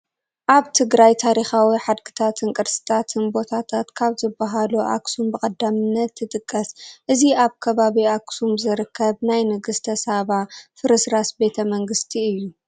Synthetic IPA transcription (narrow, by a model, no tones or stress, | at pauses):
ʔaβt̪ʰɨɡɾajt̪ʰaɾixawiħad̪kʰɨ̥t̪ʰat̪ʰɨnkʼɨɾsɨ̥t̪ʰat̪ʰɨnbo̞t̪ʰat̪ʰat̪kʰaβzɨbaɦaluʔa̰ksumbɨkʼɐd̪amɨnːɐt̪ːɨt̪ʼɨkʼːɐsʔɨziaβkʰɐβaβiaksumzɨɾɨkʰːɐβnajnɨɡɨst̪ʰɐsaβafɨɾɨsɾasbe̞t̪ʰɐmɐŋɡɨst̪ʰiɨjːu